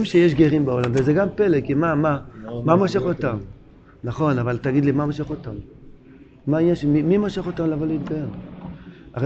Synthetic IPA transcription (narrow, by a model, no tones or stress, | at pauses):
mʃejeʃ̬ɡeʁimbao̞lamvezeɡampe̞lekimamamamoʃe̞χo̞t̪am | naχo̞navalt̪aɡid̪limamoʃeχo̞tamː | ainjanʃemimimoʃeχo̞t̪amlavo̞leit̪̚ɡajen | ʔa̰ʁ